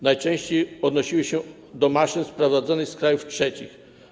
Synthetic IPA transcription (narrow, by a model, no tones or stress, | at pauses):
najt͡ʂɛ̃w̃ɕt͡ɕejɔd̪nɔɕiwɘɕɛ | d̪ɔmaʂɘnspɾɔvad̪zɔnɘxskɾajuftʂɛt͡ɕḭx